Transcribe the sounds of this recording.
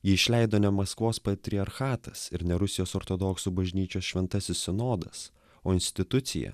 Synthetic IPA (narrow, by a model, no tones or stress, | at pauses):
jiːɪʃʲlʲɛɪd̪oːnʲɛmɐskʋoːspɐt̪ʲɾʲɪɐɾxɑːt̪ɐsɪɾnʲɛɾʊsʲɪjoːsoːɾt̪od̪oksuːbɐʒʲnʲiːt͡ʃʲoːsʃʲʋʲɛnt̪ɐsʲɪssʲɪnoːd̪ɐ̰s | oːɪnʲsʲt̪ʲɪt̪ʊt̪sʲɪ̰jɛ̰